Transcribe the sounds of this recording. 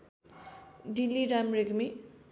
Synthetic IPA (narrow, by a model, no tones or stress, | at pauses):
dilːiɾamɾeɡmi